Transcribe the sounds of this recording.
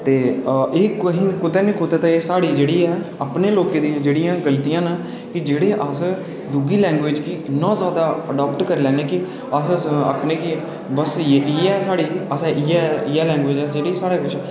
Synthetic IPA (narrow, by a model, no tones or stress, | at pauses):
t̪eːeːkɦĩːkʊt̪ɛːnĩːkʊt̪eːt̪ãeːsaːɽiːd͡ʒeːɽiːɛː | aːpneːloːkeːd̪ĩːd͡ʒeːɽɪjãːɡəlt̪ijãːna | kɪd͡ʒeːɽeːʔəs | d̪uɡiːlɛ̃ːŋɡʋeːd͡ʒkinãːzjaːd̪aːəɖɔːpʈkəɾːlɛːneːkɪ | əsə̰kʰnẽːkɪ | bəsʔiːɛːsaːɽiːəsɛ̃ʔiːɛiaːlɛ̃ːŋɡʋeːd͡ʒːd͡ʒeːɽiːsaːɽeːkɪt͡ʃʰː